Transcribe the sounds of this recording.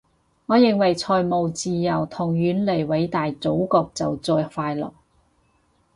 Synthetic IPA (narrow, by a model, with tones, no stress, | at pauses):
ŋɔː˨˧jɪ˨ŋwɐ˨jt͡sʰɔː˨˩jmo˨wt͡siː˨˧jɐ˨˩wt̪ʰʊ˨˩ŋjyː˨˧˥nle˨˩jwɐ˨˧˥jt̪aː˨jt͡so˨˥wkɔː˧k̚t͡sɐ˨wt͡sɔː˧jfaː˧jlɔ̰ː˨˩k